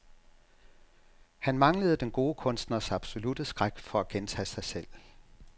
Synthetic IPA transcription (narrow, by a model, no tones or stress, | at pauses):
hænmɑ̈ŋləð̩ˠd̥enɡ̥o̝ːəkʰɔ̽nsd̥nɐsɑ̈b̥so̝lud̥əsɡ̥ʁaɡ̥fɒ̽æɡ̥ent͡sʰɛ̰ːsɑ̈ɪsel̰